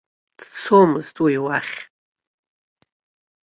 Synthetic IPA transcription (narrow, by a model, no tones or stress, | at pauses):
d̥t͡sʰomɨztʼujwaχʲ